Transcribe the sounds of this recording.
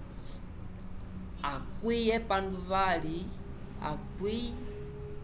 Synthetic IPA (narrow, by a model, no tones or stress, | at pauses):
akwijɛpanduvali | a̰kwi